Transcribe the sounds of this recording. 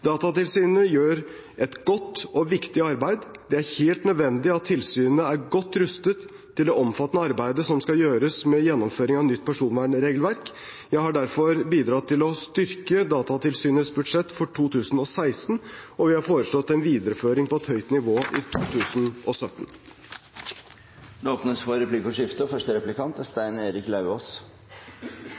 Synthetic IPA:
d̪ɑːt̪ɑt̪ɪlsyːnəjøːɾ | ʔɛt̪ɡ̥ɔt̪ːɔʋɪkt̪ɪɑɾbæɪd̪ | d̪̥ɛæɾheːlt̪nœd̪ʋɛnd̪ɪɑt̪ʰːɪlsyːnnəæɾɡɔt̪ːɾʉst̪ət̪ʰː | ɪld̪ɛɔmfɑt̪ːnəɑɾbæɪd̪əsɔmskɑjøːɾəsmɛjɛnːɔmføːɾɪŋɑʋnʏt̪ːpʰæʂuːnʋæːɳɾeːɡlʋæɾk | jæɪhɑɖæɾfɔɾbiːd̪ɾɑt̪ʰːɪlɔst̪ʏɾkəd̪ɑːt̪ɑt̪ʰɪlsyːnəsbʉd̪ʂɛt̪ːfɔʈʰuːt̪ʰʉːsn̩ɔsæɪsn̩ɔʋɪhɑɾfoːɾəʂɭɔt̪ːɛnʋiːd̪əɾəføːɾɪŋpɔɛt̪hœʏt̪nɪʋoːʔɪt̪ʰuːt̪ʰʉːsnʔɔsœt̪ːn | d̪oːpnəsfɔɾɛplikɔʂɪft̪əfœʂʈəɾɛplɪkɑnt̪əst̪æɪneːɾɪklɑʉoːs

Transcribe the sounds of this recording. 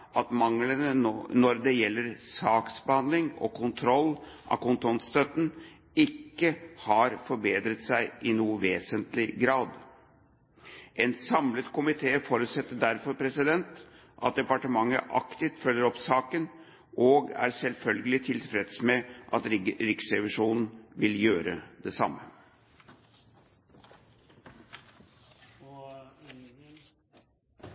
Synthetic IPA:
ɑt̪mɑŋlənənɔɾd̪ɛjɛlːəɾsɑːksbəhɑnd̪lɪŋɔ̰kʰʊnt̪ʰɾɔlːʔɑ̰kʊnt̪ʰɔnt̪st̪œt̪n̩ | ɪkːəhɑɾfɔɾbeːd̪ɾət̪sæɪʔɪnuːʋeːsənt̪lɪɡɾɑːd̪ | ʔɛnsɑmlət̪kʰʊmɪt̪ʰeːfoːɾʉːt̪sɛt̪ːəɖæɾfɔɾpʰɾɛsɪd̪ɛnt̪ | ʔɑ̰t̪̚d̪ɛpɑʈəmɑŋːə̰ʔɑ̰kt̪ɪft̪fœlːəɾɔpsɑːkən | ʔoːɡæ̰ɾsɛlfœlɡəlɪt̪ʰɪlfɾɛd̪smɛʔɑt̪ɾɪksɾɛʋɪʂuːnn̩ʋɪljøːɾə̰d̪ɛsɑ̰mːə

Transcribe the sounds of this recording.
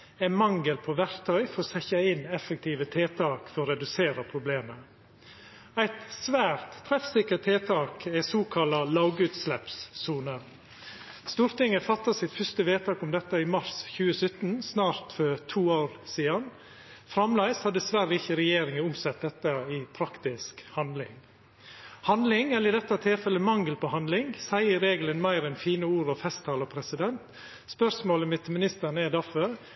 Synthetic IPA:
ænmɑŋɡəlpʰɔʋæɾt̪ʰœʏfɔɾɔsɛçɑɪnɛfək̚t̪ʰiːʋət̪ʰeːt̪ʰɑːkfɔɾɔɾɛd̪ʉseːɾɑpʰɾʊbleːmə | æɪt̪sʋæːɾt̪ʰːɾɛfsɪkːəɾt̪ʰeːt̪ʰɑːkɛsuːkʰɑlɑlɑːɡʉːt̪slɛpsːuːnə | st̪uːɾt̪ɪŋːəfɑt̪ːɑsɪt̪fœst̪əʋeːt̪ʰɑːkʊmd̪ɛt̪ːɑɪmɑɾsçʉːəsœt̪ːnsnɑːɾt̪fœt̪ʰuːoːɾsiːd̪ɑn | fɾɑmlæɪshɑd̪ɛsʋæɾːəɪçːəɾɛjeːɾɪŋəʊmsɛt̪̚d̪ɛt̪ːəɪpʰɾɑkt̪ɪskhɑnd̪lɪ̰ŋ | hɑnd̪lɪŋɛlɪd̪ɛt̪ːɑt̪ʰɪlfɛlːəmɑŋɡəlpɔhɑnd̪lɪŋsæɪəɾeːɡlənmæɪɾɛnfiːnəuːɾɔfɛst̪ʰɑːləpʰɾɛsɪd̪ɛnt̪ | spœsmoːləmɪt̪ʰːəmɪnɪst̪əɳɛd̪æɾfœɾ

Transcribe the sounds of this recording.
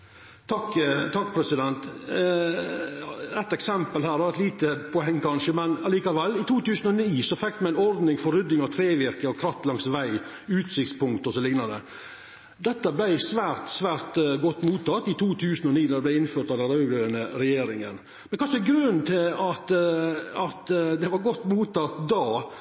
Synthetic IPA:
t̪ʰɑkːt̪ʰɑkːpʰɾɛsɪd̪ɛnt̪ | ɾɛt̪ːɛksɛmpəlhæːɾɑʋɾɛt̪liːt̪əpʰɔɛŋːkʰɑnʂəmɛnɑliːkɑʋɛlːɪt̪ʰuːt̪ʉːsənɔniːsɔfɛkːmɛnæɪnɔɾd̪nɪŋfɔɾʏd̪ːɪŋɑʋt̪ʰɾeːʋɪɾkəɔkʰɾɑft̪lɑŋsʋæɪ | ʉːt̪sɪkt̪spʊŋkt̪ɔsɔlɪɡnɑd̪ə | d̪ɛt̪ːəblæɪsʋæːɾt̪sʋæːɾt̪ɡɔt̪ːmuːt̪ʰːɑt̪ːɪt̪ʰuːt̪ʰʉːsənɔniːd̪ɑd̪ɛblæɪɪnføːɾʈ̪ɑʋd̪ɛnɾɑʉɡɾœənəɾɛjeːɾɪŋən | mɛnkɑʂɛɡɾʉnːt̪ʰɪlɑt̪ | ɑt̪d̪ɛʋɑɾɡɔt̪ːmuːt̪ʰːɑt̪d̪ɑː

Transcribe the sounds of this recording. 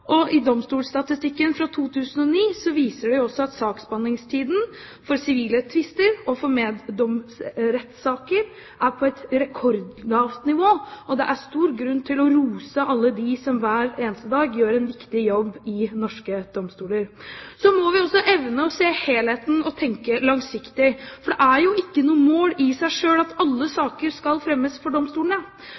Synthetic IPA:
ʔɔʔɪd̪ɔmst̪uːlst̪ɑt̪ɪst̪ɪkːənfɾɑt̪ʰuːt̪ʰʉːsən̩ɔniːsɔʋiːsəɖɛjʊɔsːɔɑt̪sɑːksbɑnɪŋst̪ʰiːd̪n̩ | fɔɾsɪʋiːlət̪ʰʋɪst̪əɾɔfɔɾmeːɔmsɾɛt̪sɑːkəɾ | ʔæɾpʰɔɛt̪ɾɛkʰɔɾd̪lɑːft̪nɪʋoːʔɔd̪ɛʔæst̪uːɾɡɾʉnːt̪ʰɪlɔɾuːsəʔɑlːəd̪ɪsɔmʋæːɾeːnəst̪əd̪ɑːɡjøːɾɛnʋɪkt̪ɪjɔbːɪnɔʂkəd̪̥ɔmst̪uːləɾsɔmɔʋɪɔsɔʔɛʋnəɔseːheːlheːt̪n̩ɔt̪ʰɛŋkəlɑŋsɪkt̪ɪfɔɖɛʔæɾjʊʔɪkːənuːəmoːlɪsæɪʂøːlɑt̪ɑlːəsɑːkəɾskɑlfɾɛmːəsfɔɖɔmst̪uːləɳə

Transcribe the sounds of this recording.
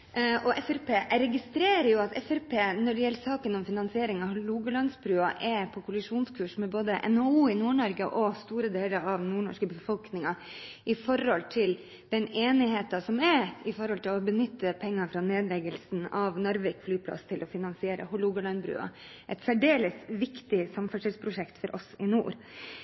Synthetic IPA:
ʔɔʔɛfæɾpʰeːɾɛɡɪst̪ɾeːɾəjʊɑt̪ɛfæɾpʰeːnɔɖɛjɛlːsɑːkənɔmfɪnɑnsɪeːɾɪŋɑʋhʊluːɡəlɑnsbɾʉːɑʔɛpʰɔkʰʊlɪʂuːnskʰʉːʂmɛboːd̪əʔɛ̰nɑuːɪnuːɳɔɾɡəʔɔst̪uːɾəd̪eːləɾɑʋnuːɳɔ̰ʂkəbəfɔlknɪŋɑ | ʔɪfɔɾhɔlt̪ʰɪl | d̪̥ɛneːnɪheːt̪ɑsɔmɛɾɪfɔɾhɔlt̪ʰɪlɔbənʏt̪ːəpʰɛŋːɑfɾɑneːd̪lɛɡəlsnɑʋnɔɾʋɛkflyːpʰlɑ̰st̪ʰɪlʔɔfɪnɑnsɪeːɾʔə̰hʊluːɡəlɑnbɾʉ̰ːɑ̰ | ʔɛt̪sæɖeːləsʋɪkt̪ɪsɑmfœʂəlspʰɾʊʂɛkt̪fɔɾʔɔ̰sɪnuːɾ

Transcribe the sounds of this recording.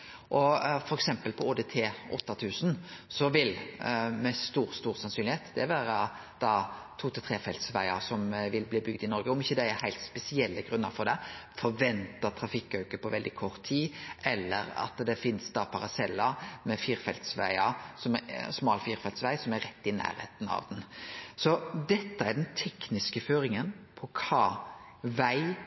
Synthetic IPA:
ʔɔfɔɾɛksɛmpəlpʰɔoːd̪et̪ʰeːʔɔt̪ːɑt̪ʰʉːsnsɔʋɪlmɛst̪uːɾst̪uːɾsɑnsyːnlɪheːt̪d̪̥ɛʋæːɾɑ | d̪̥ɑːt̪ʰuːt̪ɪlt̪ʰɾeːfɛlt̪sʋæɪɑsɔmʋɪlbliːbʏɡ̚d̪ɪnɔɾɡəɔmɪçːəd̪ɛæɾhæɪlt̪spɛsɪɛlːəɡɾʉnːɑɾfɔɾd̪ɛfɔɾʋɛnt̪ɑt̪ʰɾɑfɪkːœʉkəpʰɔʋɛld̪ɪkʰɔɾt̪ʰːiːɛlːə̰ɾɑ̰t̪d̪ɛfɪnsd̪ɑpʰɑɾɑsɛlːɑmɛfiːɾfɛlt̪sʋæ̰ɪɑsɔmsmɑːlfiːɾfɛlsʋæɪsɔmæɾɛt̪ːɪnæ̰ːɾhḛːt̪n̩ɑ̰ʋd̪ɛnsɔd̪ɛt̪ːəæɖ̪ɛnt̪ʰɛknɪskəføːɾɪŋənpʰɔkʰɑː | ʋæɪ

